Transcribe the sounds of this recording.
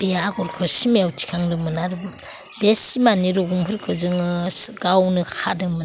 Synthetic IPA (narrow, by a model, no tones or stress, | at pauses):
b̥eaɡɔɾkʰɯsimeawtʰi̥kʰaŋdɯmɯnaɾb | besimaniɾoɡumkʰɯɾkʰɯzɯŋɯɡawnɯkʰadɯmɯn